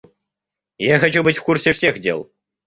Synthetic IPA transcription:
jaxɐt͡ɕubɨtʲfkursʲefsʲexdʲḛlˠ

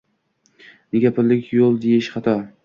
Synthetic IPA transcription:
nɪɡʲapʰɪɾlːɪkʲjolˠd̪ejɪʃχɑt̪ʰɒ

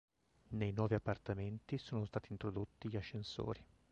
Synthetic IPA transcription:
nejnwɔːviapːart̪ament̪isoːnost̪aːt̪iːnt̪ɾod̪ot̪ːiʎaʃːenso̰ːɾi

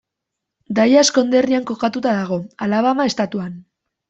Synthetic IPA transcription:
d̪ajasko̞nd̪e̞riaŋko̞kat̪ut̪aðaɣ̞o̞alaβamae̞st̪at̪uan

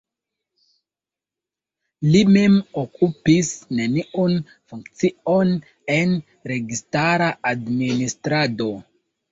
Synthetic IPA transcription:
limemokʰupisne̞niʔun | fuŋkt͡sio̞n | en | ɾe̞ɡistaɾaadministɾado̞

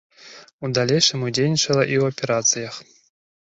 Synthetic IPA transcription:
ud̪alʲejʂɨmudʲejnʲit͡ʂɐlˠɐʔiwɐpʲɛɾat̪sɨjɐx

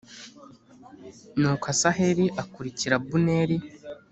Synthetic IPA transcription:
nuːkasaheɾiʔakuɾiciɾabuneɾi

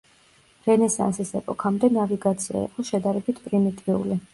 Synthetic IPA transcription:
ɾɛnɛsa̰nsisɛpʼɔkʰamd̪ɛnaviɡat̪sʰia̰ḭqʼɔʃɛd̪aɾɛbit̪ʰpʼɾimit̪ʼiṵli

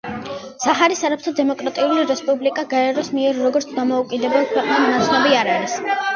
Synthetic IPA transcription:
saχaɾisaɾap̚ʰt̪ʰɔd̪ɛmɔkʼɾat̪ʼiuliɾɛspʼublikʼaɡaɛɾɔsmiɛɾːɔɡɔɾt̪sʰd̪amɔukʼid̪ɛbɛlˠkʰwɛqʼnannat̪sʰnɔbiaɾaɾis

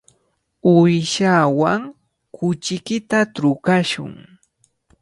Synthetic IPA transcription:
ʊjʃawaŋ | kʊt͡ʃɪkɪt̪atɾʊkaʃʊ̰ŋ

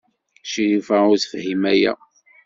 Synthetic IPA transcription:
ʃiɾifaʊɾθə̥fhimæjæ̰

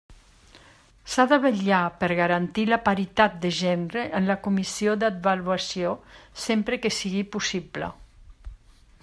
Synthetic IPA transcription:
saðəβəʎapəɾɣaɾant̪ilapaɾit̪at̪̚d̪əʒɛnɾeʔənləkumisiod̪ad̪̚βaluasiosempɾəkesiɣipusiblə̰

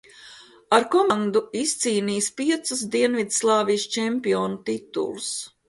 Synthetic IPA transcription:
aɾkɔmaŋd̪uist̪siːniːspiɛt̪sus̬d̪iɛnvid̪slˠɑːvijst͡ʃɛmʲpiɔːnut̪it̪ṵlˠus

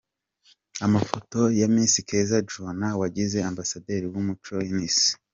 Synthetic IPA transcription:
amafo̞to̞jamiːnsike̞zad͡ʒunawaɟize̞ambasade̞ːɾiwumut͡ʃo̞iniːsi̥

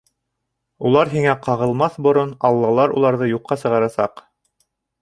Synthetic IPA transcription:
ulˠɑɾɦiŋæqɑʁɤ̆lˠmɑθbŏɾonɑlˠːɑlˠɑɾṵlˠɑɾðɤjuqːɑsɤ̆ʁɑɾɑsɑ̰q

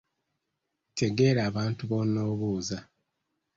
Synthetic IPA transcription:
tʰe̞ɡe̞ːɾaːβaːntuβo̞nːoːβuːza

